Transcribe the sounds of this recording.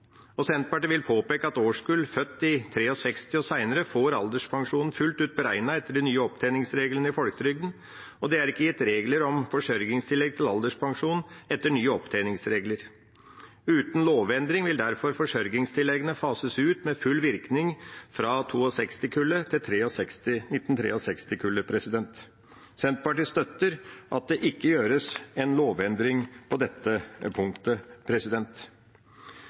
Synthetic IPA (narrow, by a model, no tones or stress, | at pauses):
ɔsɛnt̪̚pɑʈɪʋɪlpʰoːpeːkəɑt̪oːʂkʉlfœt̪ːɪt̪ʰɾeːɔsɛkst̪ɪoːsæɪnəɾəfoːɾɑld̪əʂpʰɑŋʂuːnn̩fʉlt̪ʉːt̪̚bəɾæɪnɑɛt̪ːəɖɛnyːəɔpt̪ʰæɪnɪŋsɾeːɡlənəɪfɔlkəɾʏɡ̚d̪n̩ | ɔd̪ɛæɾɪkːəjɛt̪ːɾeːɡləɾɔmfɔʂœɾɡɪŋst̪ʰɪlːɛɡ̚t̪ʰɪlɑld̪əʂpʰɑŋʂuːnɛt̪ːəɳyːəɔpt̪ʰæɪnɪŋsɾeːɡləɾ | ʉːt̪n̩loːʋɛnd̪ɾɪŋʋɪld̪æɾfɔɾfɔʂœɾɡɪŋst̪ʰɪlːɛɡənəfɑːsəsʉːt̪mɛfʉlːʋɪɾknɪŋfɾɑt̪ʰuːɔsɛkst̪ɪkʰʉlːət̪ʰɪlt̪ʰɾeːɔsɛkst̪ɪnɪt̪ːnt̪ʰɾḛːɔsɛkst̪ɪkʰʉlːəpʰɾɛsɪd̪ɛnt̪ | sɛnt̪̚pɑʈiːst̪œt̪ːəɾʔɑt̪̚d̪ɛʔɪkːəjøːɾəsɛnloːʋɛnd̪ɾɪŋpʰɔd̪ɛt̪ːəpʰʊŋkt̪əpʰɾɛsɪd̪ɛnt̪